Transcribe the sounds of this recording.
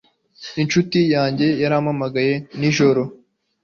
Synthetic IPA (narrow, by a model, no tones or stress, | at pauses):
inʃutijaːɲɟe̞jaɾamamaɡaje̞niʒo̞ɾo̞